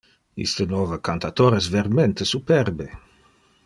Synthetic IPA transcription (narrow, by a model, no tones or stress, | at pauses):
ḭst̪ənɔvəkant̪at̪oɾes̬veɾment̪esupɛrbe